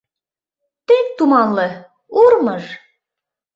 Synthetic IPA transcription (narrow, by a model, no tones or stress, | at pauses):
t̪ek̚t̪umɑnlɤ | uɾmɤʒ